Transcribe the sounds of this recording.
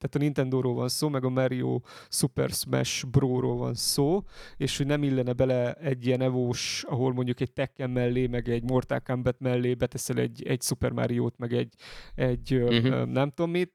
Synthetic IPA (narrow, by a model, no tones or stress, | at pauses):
t̪aːt̪ɒnint̪ɛnd̪oːɾoːlvɒnsoːmɛɡɒmaɾio̰ː | supɛ̰rsmɛ̰ʃbroːɾoːlvɒ̰nsoːeːʃhoɟnɛmilːɛnɛbɛlɛɛɟːijɛnɛvoːʃɒɦo̞lmo̞ɲɟukɛc̚t̪ɛkːɛmːɛlːeːmɛɡɛɟmort̪a̰ːkambɛt̪mɛlːeːbɛt̪ɛsɛlɛ̰ɟːɛɟsupɛrma̰ɾijoːt̪mɛɡɛɟːɛɟːønɛmt̪o̞mːit̪